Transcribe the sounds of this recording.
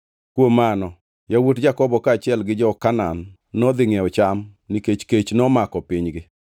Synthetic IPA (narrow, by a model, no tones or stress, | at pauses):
kwomanɔ | jawotd͡ʒakɔbɔkaːt͡ʃɪɛlɡɪd͡ʒɔkananː | ɔd̪ɪŋɛɔt͡ʃamniket͡ʃket͡ʃnɔmakɔpɪɲɡɪ